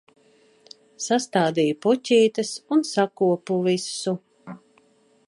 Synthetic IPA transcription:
sast̪aːd̪ijpucʲiːt̪ɐsunsakuɔpuvisːu

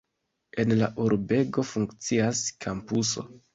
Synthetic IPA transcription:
e̞nla̰ʔuɾbe̞ɡo̞fuŋkt͡siaskʰampuso̞̰

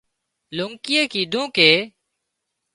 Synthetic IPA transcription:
luŋkɪjeːkiːd̪ʱũːkeː

